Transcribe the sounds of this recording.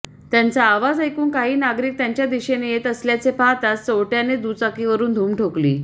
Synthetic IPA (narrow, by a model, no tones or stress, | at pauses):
t̪jant͡saːʋad͡zəjkuːnkaɦiːnaɡɾiːk̚t̪jãɲt͡ɕjad̪iɕenejet̪əsljat͡sepaɦt̪att͡sowʈjaned̪uːt͡sakiʋəɾuːnd̪ʱuːmʈʰoklḭː